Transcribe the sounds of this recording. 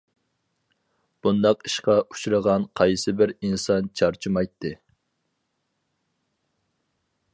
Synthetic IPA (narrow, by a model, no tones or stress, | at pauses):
b̥und̪ɑqiʃqɑʔut͡ʃʰuɾəʁɑnqʰɑjsɨbɪɾinsɑnt͡ʃʰɑɾt͡ʃʰimɑjt̪ʰːɨ